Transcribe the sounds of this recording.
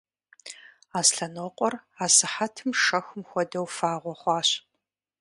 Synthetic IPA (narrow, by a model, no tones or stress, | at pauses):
aːsɬɐnoːqʷʼɔraːsɨħatʰɨmʂɐxʷʊmxʷɔdɐwfaːʁʷɔχʷɑːɕ